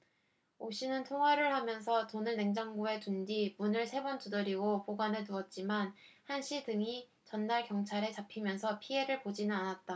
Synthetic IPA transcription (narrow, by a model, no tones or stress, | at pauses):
oɕʰinɯntʰoŋɦwaɾɯɭhamjʌns̬ʰʌtonɯɭne̞ŋd͡ʑaŋɡoe̞tund͡ʑimunɯɭsʰe̞bʌnt͈udɯɾiɡopoɡwanɯnuʌt̚t͡ɕ͈imanhanɕʰidɯŋi | t͡ɕʌnːaɭkjʌŋt͡ɕʰaɾe̞t͡ɕapʰimjʌnsʰʌpʰie̞ɾɯɭpod͡ʑinɯnanat̚t͈a